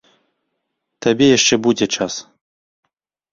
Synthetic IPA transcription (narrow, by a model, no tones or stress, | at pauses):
t̪abʲejaʂt͡ʂɛbud͡zʲɛt͡ʂas